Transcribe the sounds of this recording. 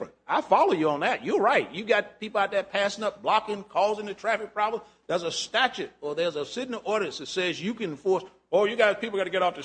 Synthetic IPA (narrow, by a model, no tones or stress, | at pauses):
ɨ̃naɪfɑlˠoʊjɨə̃nðɨt̚jə˞ɹaɪt̚jɨɡɑt̚pipl̩ˠat̪̚ðɨt̚pʰæsɪ̃ŋʌp̚b̥lɑkɪ̃ŋkʰɔzɪ̃ŋðɨtʰɹ̥æfɨk̚pʰɹ̥ɑblə̃m | ðə˞zəstæt͡ʃʉɾə˞ðə˞zəsɪdⁿnəʔɔɹɾɨsðɨtsɛzjɨkɨ̃nfɔɹs | ojɨɡaɪz̥pʰipl̩ˠɡɑɾɨɡɛɾɔftɨ